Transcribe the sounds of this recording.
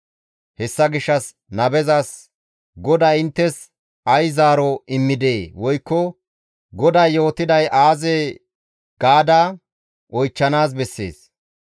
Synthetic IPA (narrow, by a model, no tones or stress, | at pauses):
hɛsːɐɡɪʃːɐs | nɐbɛzɐs | ɡɔd̪aɪnt̪ːɛs | ʔɐjzaːɾɔɪmːɪd̪eːwɔjkːɔ | ɡɔd̪ɐjːo̞ːt̪ɪd̪ɐjʔaːzeː | ɡ̥aːd̪aː | ʔɔjt͡ʃːɐnaːs̬bɛsːḛːs